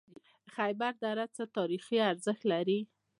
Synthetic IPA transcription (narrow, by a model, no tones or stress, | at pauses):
xajbaɾd̪aɾat͡sət̪ɑɾixiaɾzəxt̪laɾi